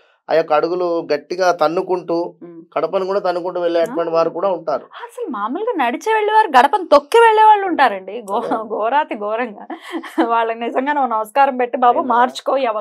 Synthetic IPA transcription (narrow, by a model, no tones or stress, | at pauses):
ɐ̰jaːkɐɽuɡuluɡɐʈːiɡaːt̪ɐnːukuɳʈuɡ̥ɐɽɐpɐnikuːɽaːt̪ɐnːukuɳʈuʋɛɭːeːɐʈʋɐɳʈiʋaːɾukuːɽaːuɳʈaːɾuɐsɐlumaːmɐlɡoːnɐɽit͡ʃeːʋeɭːiʋaːɾuɡɐɽɐpɐnit̪okːiʋeɭːɛːʋaːɭːuɳʈaːɾɐɳɖiɡɔɡɔːɾaːt̪iɡɔːɾɐŋɡaːʋaːɭːɐnizɐŋɡaːneunːɐʋɐskaːɾɐmpeʈːibaːbumaːɾt͡ʃu̥koːjɛʋɐ